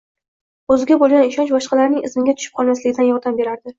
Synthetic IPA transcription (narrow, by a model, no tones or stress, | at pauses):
ɵzɪɡʲabolˠɡʲanɪʃɒnt͡ʃbɒʃqɑlaɾnɪŋɪ̰zmɪɡʲat̪ʰʊ̥ʃɪp̚qʰɒlˠmaslɪɡʲɪd̪anjɒɾd̪ambe̞ɾaɾd̪ɪ